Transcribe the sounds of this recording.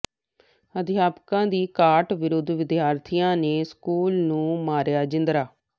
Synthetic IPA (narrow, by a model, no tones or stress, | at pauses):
əd̪jaːpkãːd̪iːkaːʈʋɪɾʊd̪ʱʋɪd̪jaːɾt̪ʰijãːneːskuːlnũːmaːɾjaːd͡ʒɪnd̪ɾaː